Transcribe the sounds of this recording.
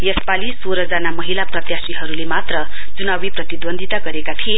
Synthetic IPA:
jʌspalisoɾʌd͡zanamʌɦilaprʌt̪jasiɦʌɾulemat̪rʌ | d͡zunawiprʌt̪id̪bʌnd̪ʱit̪aɡʌɾekat̪ʰie

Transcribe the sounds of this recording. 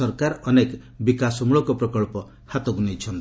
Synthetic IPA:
ɔɾkaɾɔnek | bikasɔmuɭɔkɔpɾɔkɔɭpɔ | hat̪ɔɡunejt͡ʃʰɔnt̪

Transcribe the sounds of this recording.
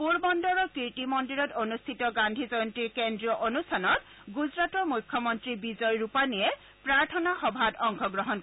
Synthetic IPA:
puɹbɔndɔɹɔkitimɔndiɹɔtonustʰitɔɡandʱizɔjɔntikendɹijɔʔonustʰanɔt | ɡuzɹatɔɹmujkʰːjɔmɔntɹibizɔjɹupanijɛ | pɹaɹtʰɔnaxɔbʱatɔŋkʰɔɡɹɔɦɔn

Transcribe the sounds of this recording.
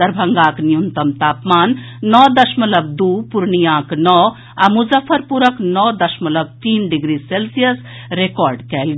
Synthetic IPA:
ɐɾbʱɐŋɡaːknijunt̪ɐmt̪aːpmaːnː | ɔːd̪ɐʃmɐlɐb̚d̪uːpuɾnijãːknɔː | ɐmuzɐfʰɐɾpuɾɐknɔːd̪ɐʃmɐlɐb̚t̪iːnɖiɡɾiselsijɐs | ɾekɔːɾɖkɛːlɡ

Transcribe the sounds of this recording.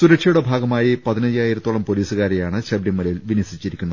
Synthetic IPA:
suɾɐkʂɐjuɽe̞bʱaːɡɐmaːjipɐðinɐjaːjiɾɐt̪ːoɭɐmpo̞liːsɨɣaːɾejaːɳɨɕɐbɾjɐmːɐlɐjilʋinɐsit͡ɕːiɾikʲːunːɐð

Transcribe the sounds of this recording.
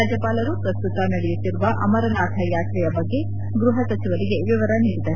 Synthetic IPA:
aːd͡ʒjɐpaːlɐɾupɾɐst̪ut̪ɐnɐɽɛjut̪ːiɾuʋɐʔɐ̰mɐɾɐnaːt̪ʰɐjaːt̪ɾɛjɐbɐɡːe̞ | ɡɾuɦɐsɐt͡ʃiʋɐɾiɡe̞ʋiʋɐɾɐniːɽid̪ɐ

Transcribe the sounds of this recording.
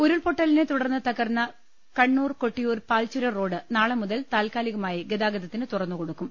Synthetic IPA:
uɾuɭpo̞ʈːɐlinet̪uɽɐrnːɨt̪ɐɣɐrnːɐ | kɐɳːuːrko̞ʈːijuːrpaːlt͡ɕuɾɐro̞ːɖɨnaːɭɐmuðɐlt̪aːlkaːliɣɐmaːjiɡed̪aːɡɐðɐt̪ːinɨt̪urɐrnːuko̞ɽukːum

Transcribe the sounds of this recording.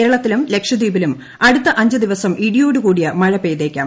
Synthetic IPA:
eːɾɐɭɐt̪ːilumle̞kʂɐd̪iːbilum | ɐɽut̪ːɐʔɐɲd͡ʑɐd̪iʋɐsɐmʔiɽijoːɽukuːɽijɐmɐɻɐpeːðeːkʲːa̰ːm

